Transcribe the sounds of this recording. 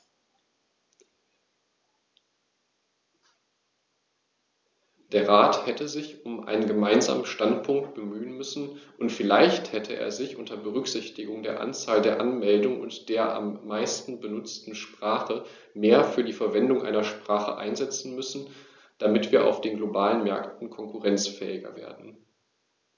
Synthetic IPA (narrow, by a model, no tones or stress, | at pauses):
d̥eːɐʁaːthɛtəzɪçʊmʔa̰ɪnənɡəmaɪnza̰ːmənʃtantpʰʊŋk̚t̚b̥əmyːənmʏsn̩ʔʊntfɪlaɪçthɛtʰəʔḛːɐzɪçʔʊntɐbəʁʏkz̥ɪçtɪɡʊŋdeːɐʔa̰nt͡saːldeːɐʔanmɛldʊŋəʊ̰ntd̥eːɐʔa̰mːaɪstn̩bənʊt͡stn̩ʃpʁ̥aːχə | meːɐfyːɐdiːfɛɐvɛndʊŋʔa̰ɪnɐʃpʁ̥aːχə̰ʔa̰ɪnzɛt͡sn̩mʏsn̩ | d̥amɪtv̥iːɐʔa̰ʊfd̥eːnɡlobaːlənmɛɐktn̩kʰɔŋkʰʊʁɛnt͡sfɛ̰ːɪɡɐ̰vḛːɐdn̩